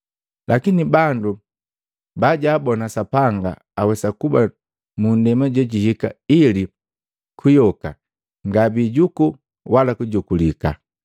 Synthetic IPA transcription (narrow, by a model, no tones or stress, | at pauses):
lʔakinibandu | baɟaːbɔnasapaŋɡa̰ː | wɛsakuba | mundɛmaɟɛɟihika̰ili | kʰujɔka | ŋɡabiɟuku | walakuɟukulika̰